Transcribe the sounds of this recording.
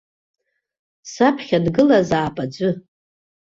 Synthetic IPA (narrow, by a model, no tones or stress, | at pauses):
sapʰχʲadɡɨlazaːpʼad͡ʒʷʼʊ